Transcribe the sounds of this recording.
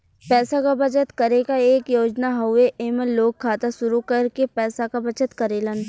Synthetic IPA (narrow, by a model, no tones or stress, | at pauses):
pɛːsakabɐt͡ʃət̪kɐɾekaeːkjoːd͡ʒnaɦoeʔeːməlːoːkʰːaːt̪asʊɾukɐɾkepɛːsakabɐt͡ʃət̪kɐɾeːlən